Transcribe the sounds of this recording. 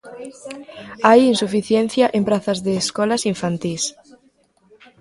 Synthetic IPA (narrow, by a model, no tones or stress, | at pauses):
ajinsufiθjɛn̟θjaʔempɾaθɐzðeːskɔlasiɱfant̪is